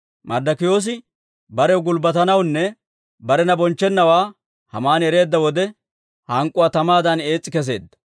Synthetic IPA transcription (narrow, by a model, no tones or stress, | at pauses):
mɐɾd̪ɐkɪjo̞ːs̬ɪ | bɐɾɛwɡʊlbɐt̪ɐnɐwnːɛ | bɐɾɛnɐbɔnt͡ʃːɛnːɐwaː | hɐmaːnɛɾe̞ːd̪ːɐwɔd̪ɛ | hɐŋkʼʊwaːt̪ɐmaːd̪ɐne̞ːt͡sʼːɪkɛs̬e̞̰ːd̪ːɐ̥